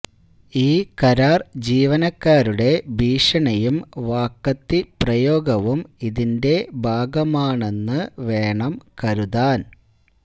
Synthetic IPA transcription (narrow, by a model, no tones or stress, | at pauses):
iːkɐɾaːrd͡ʑiːʋɐnɐkːaːɾuɽe̞bʱiːʂɐɳɐjumʋaːkːɐt̪ːiprɐjo̞ːɡɐʋumiðinde̞bʱaːɡɐmaːɳe̞nːɨʋe̞ːɳɐmkɐɾuðaːn